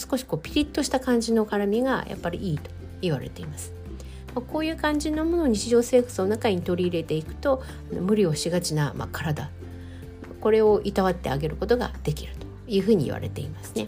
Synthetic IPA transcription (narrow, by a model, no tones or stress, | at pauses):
sɨ̥ko̞ɕi̥ko̞ːpʲi̥ɾʲit̪ːo̞ɕi̥t̪akãɲ̟d͡ʑino̞kaɾamʲiɡa̰jʔa̰pːaɾʲiiːt̪o̥ | iβaɾe̞̰t̪e̞imasɨ̥ | mako̞ːjɯ̟ːkãɲ̟d͡ʑino̞mo̞no̞ɲ̟it͡ɕiʑo̞ːse̞ːkḁt͡sɨno̞nakaɲ̟it̪o̞ɾʲiːɾe̞t̪e̞ikɯ̟̥t̪o̞ | ano̰mɯ̟ɾʲio̞ɕiɡat͡ɕinama̰kʰaɾad̪a | ko̞ɾe̞o̞ʔit̪aβat̪ːe̞̰aɡe̞ɾɯ̟ko̞t̪o̞ɡa̰d̪̥e̞kʲiɾɯ̟̥t̪o̥ | jɯ̟ːɸɯ̟ːɲ̟iḭβa̰ɾe̞̰t̪e̞imasɨ̥ne̞